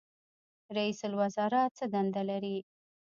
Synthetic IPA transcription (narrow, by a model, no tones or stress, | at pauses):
ɾaisʊlwazɑɾat̪t͡səd̪and̪alaɾi